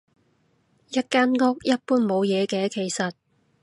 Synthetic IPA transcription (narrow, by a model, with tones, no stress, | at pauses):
jɐ˥t̚kaː˥nŋɔ˥k̚jɐ˥t̚puː˥nmo˨˧wjɛː˨˧kɛː˧˥kʰe˨˩jsɐ˨t̚